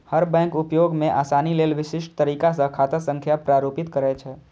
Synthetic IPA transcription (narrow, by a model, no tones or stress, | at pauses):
həɾbɛ̃ːkʊpjoːɡmẽʔaːsaːnileːlʋɪʃɪʃʈ̚t̪əɾiːkasə̃kʰaːt̪asə̃ŋkʰjapɾaːɾoːpɪt̪kəɾɛt͡ʃʰɛː